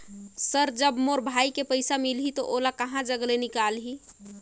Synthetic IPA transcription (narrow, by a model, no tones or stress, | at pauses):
səɾd͡ʒəbmoɾbʱaikepəjsamilɦit̪ɔʔolakəɦãd͡ʒəɡlenikalɦi